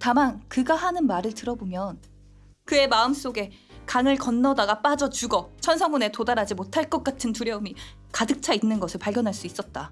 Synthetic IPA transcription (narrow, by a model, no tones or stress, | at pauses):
tamankɯɡaɦanɯnmaɾɯɭtɯɾʌbomjʌn | kɯe̞maɯms͈oɡe̞ | kaŋɯɭkʌnːʌdaɡap͈ad͡ʑʌt͡ɕuɡʌt͡ɕʰʌnsʰʌŋune̞todaɾad͡ʑimotʰaɭk͈ʌk̚k͈atʰɯntuɾjʌumi | kadɯk̚t͡ɕʰainːɯnɡʌsʰɯɭpaɭɡjʌnɦaɭs͈uis͈ʌt̚t͈a